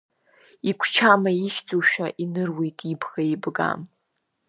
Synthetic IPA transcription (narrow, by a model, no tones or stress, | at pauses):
ikʷʰt͡ʃʰamajiχʲd͡zʼuʃᶣaʔinɨrwe̞jtʼibɣaibɡa̰m